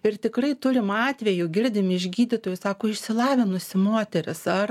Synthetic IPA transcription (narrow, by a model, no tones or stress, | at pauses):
ɪrt̪ʲɪkrɐɪt̪ʊɾʲɪmɑːt̪ʲʋʲɛjʊɡʲɪɾʲd̪ʲɪmʲɪɪʒʲɡʲiːd̪ʲɪt̪oːjʊsɑːkoːɪʃʲsʲɪlˠɑːʋʲɪnʊsʲɪmoːt̪ʲɛɾʲɪsɐr